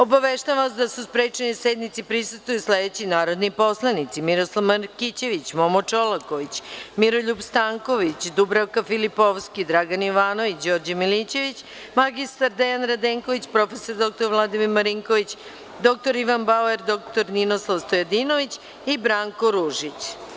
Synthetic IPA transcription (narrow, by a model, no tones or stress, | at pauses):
o̞baʋeʃt̪aʋasd̪asuspɾet͡ʃenised̪nit̪sipɾisust̪ʋujusled̪et͡ɕinaːɾo̞d̪nipo̞slˠanit̪simiɾo̞slˠaʋmakit͡ɕe̞ʋit͡ɕmomot͡ʃo̞lako̞ʋit͡ɕmiɾo̞ʎupst̪aŋko̞ʋit͡ɕd̪ubɾawkafilipo̞ʋskid̪ɾaɡaniʋaːno̞ʋit͡ɕd͡ʑo̞ːɾd͡ʑamilit͡ɕe̞ʋit͡ɕ | maɡist̪aɾd̪ejanɾad̪eːŋko̞ʋit͡ɕpɾo̞fe̞so̞ɾd̪o̞k̚t̪o̞ɾʋlˠad̪imiɾmaɾiŋkoʋit͡ɕ | d̪o̞k̚t̪o̞ɾiʋanbaoeɾd̪o̞kt̪o̞ɾninoslˠaʋst̪ojod̪ino̞ʋit͡ɕ | ibɾaːŋko̞ɾuʒit͡ɕ